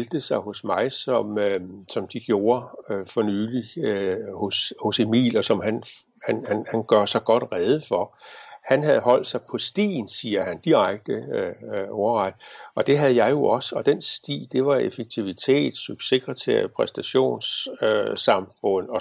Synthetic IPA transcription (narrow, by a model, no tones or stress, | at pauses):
ld̥əsɑ̈ɪho̽smɑ̈ɪsɒ̽møsɒ̽md̥iɡ̥jo̝ːɐfɒ̽nyːliøhoshose̝mḭːlɒsɒ̽mɦæn | hænhænhænɡ̥ɶɐ̰sɑ̈ɪɡ̥ɒ̽d̥ʁɛð̞ˠəfɒhænɦæð̞̩ˠɦɒ̽l̰d̥sɑ̈ɪpʰɒ̽sd̥ḭːn̩siːɐhænd̥iʁɑɡ̥̚d̥ə | ɒʊɐʁɑd̥ɒ̽d̥e̝ɦæðˠjɑ̈ɪjo̝ʔɒ̽səɒ̽d̥ensd̥ḭːd̥e̝ʋɑ̈efeɡ̥̚t͡sʰiʋit͡sʰe̝̰ːd̥syb̥se̝ɡ̥ʁɐt͡sʰeɐjpʰʁɛsd̥æɕo̝̰ːnsøsɑ̈mfɔ̽n̰ɒ̽